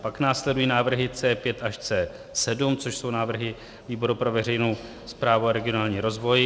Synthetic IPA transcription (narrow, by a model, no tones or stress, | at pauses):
paknaːslɛdujiːnaːvr̩ɦɪt͡sɛːpjɛt̪aʃt͡sɛː | sɛdumt͡so̞ʃso̞wnaːvr̩ɦɪ | viːbo̞ɾupɾo̞vɛr̝ɛjnow | spɾaːvuaɾɛɡɪo̞naːlɲiːɾo̞zvo̞j